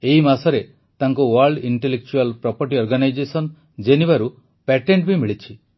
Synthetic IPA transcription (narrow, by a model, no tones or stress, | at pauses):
eɦimasɔɾe | t̪aŋkuwaɾɭɖiɳʈelek̚t͡ʃualpɾɔpɔɾʈiɔɾɡanajd͡ʒesɔn | d͡ʒenibaɾu | pɛʈeɳʈ̚bimiɭit͡ʃʰi